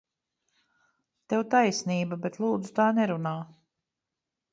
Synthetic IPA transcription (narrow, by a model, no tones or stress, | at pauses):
t̪ɛwt̪ajsniːbabɛt̪lˠuːd̪zu̥t̪aːnɛɾunaː